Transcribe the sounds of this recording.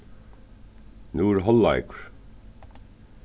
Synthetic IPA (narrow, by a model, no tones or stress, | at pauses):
nuːɾɦɔlːa̰ɪkʊ̥ɹ̥